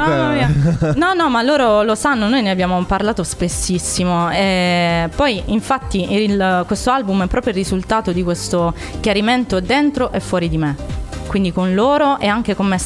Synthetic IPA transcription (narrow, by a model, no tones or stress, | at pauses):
nɔnɔmaloːɾolosanːonoːjneabːjaːmoparlaːt̪ospesːisːimoepɔjiɱfat̪ːiilkwest̪oalbumɛpːɾɔːpjoirːizult̪aːt̪od̪ikwest̪o | kjaɾiment̪od̪ːent̪ɾoʔɛfːwɔːɾid̪imekwind̪ikonloːɾoʔɛaŋk̟ekomːe